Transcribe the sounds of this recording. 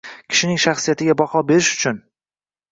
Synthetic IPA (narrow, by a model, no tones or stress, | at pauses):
kʲʰɪ̥ʃɪnɪŋʃaχsijat̪ʰɪɡʲabɒhɒbe̞ɾɪʃʊ̥t͡ʃʰʊn